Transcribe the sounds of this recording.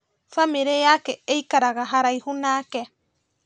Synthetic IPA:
famiɾeakeejkaɾaɡaɦaɾajhunaːke

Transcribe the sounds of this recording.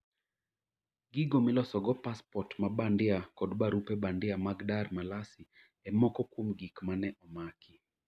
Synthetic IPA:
ɡiɡomɪlɔsɔɡɔpaspɔtmabandɪakɔdbaɾupɛbandɪamaɡdarmalasi | ɛmɔkɔkwomɡikmanɛʔɔmakʰi

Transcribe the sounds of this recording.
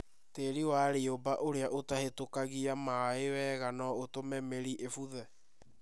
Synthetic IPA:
teɾiwaːɾeobaʔoɾeaʔotahetokaɣiamaewɛːɣanɔotomɛmeɾiʔefuðɛ

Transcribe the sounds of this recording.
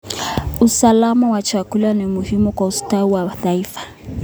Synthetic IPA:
usalamawat͡ʃakulanimuhimukwaustauwaθaifḁ

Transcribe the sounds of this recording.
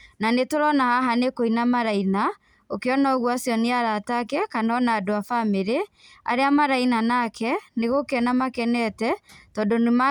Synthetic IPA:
nanetoɾɔnahaɦanekoinamaɾaina | okeɔnaɔɣwasjɔneaɾatakɛkanɔnaːdoafameɾe | a̰ɾeamaɾainanakɛneɣokɛnamakɛnɛtɛtɔːndonema

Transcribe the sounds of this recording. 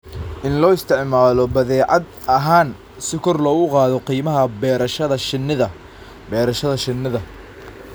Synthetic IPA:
ʔɪnlɔːɪst̪ʰɪʕmaːlɔbɐðɛːʕɑd̪ | ɐɦaːn | sɪkʰɔrlɔːɣʊqɑːðɔqiːmɐɦɐbɛːɾɐʃɐðɐʃɪnːɪðɐ | bɛːɾɐʃɐðɐʃɪnːɪðɐ

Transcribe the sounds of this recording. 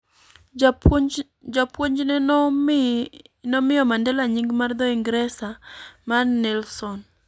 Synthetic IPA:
d͡ʒapwoɲd͡ʒnɛ | nɔmɪjɔmandɛlaɲiŋɡmard̪ɔiŋɡɾɛsamarnɛlsɔn

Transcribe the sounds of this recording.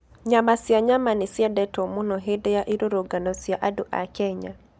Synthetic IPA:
ɲamasjaɲamanɪsjadɛtɔmonɔɦedɛjaʔiɾoɾoɡanɔsjaʔadoʔa̰kɛɲa

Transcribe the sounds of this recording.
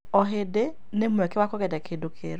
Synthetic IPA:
ɔɦede | nemwɛkɛwakɔɣɛdɛkʰedokʰḛɾ

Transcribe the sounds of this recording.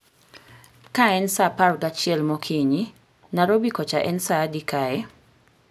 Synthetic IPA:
kaɛnsaparɡat͡ʃɪɛlmokʰiɲi | naɾobikɔt͡ʃaʔɛnsadikaɛ

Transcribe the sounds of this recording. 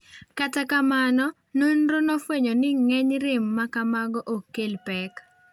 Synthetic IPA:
katakamanɔ | nonɾonofweɲonɪŋɛɲɾɪmːakamaɡɔʔokːelpɛk

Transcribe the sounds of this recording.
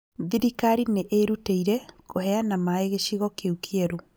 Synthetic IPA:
ðiɾikaɾineʔeɾuteiɾɛkohɛanamaeɣeɕiɣɔkeukiɛɾo

